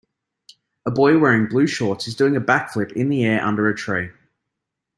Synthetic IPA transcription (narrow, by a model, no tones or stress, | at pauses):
əbɔɪwɛːɹɪ̃ŋblʉːʃɔˑtɪzdʉːɪ̃ŋəbakflɪpɪ̰̃nðiɛːɹʔʌ̰̃ndəɹətʰɹ̥iɪ